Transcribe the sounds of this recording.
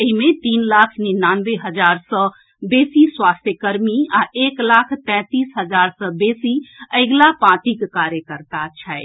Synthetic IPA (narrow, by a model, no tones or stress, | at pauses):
əɦimet̪inlakʰninanbeɦəd͡ʒaɾsə̃ | besiswast̪ʰjəkəɾmiaeklakʰt̪ɛ̃t̪isɦəd͡ʒaɾsə̃besiəɪɡlapãʈikkaɾjəkəɾt̪at͡ʃʰəe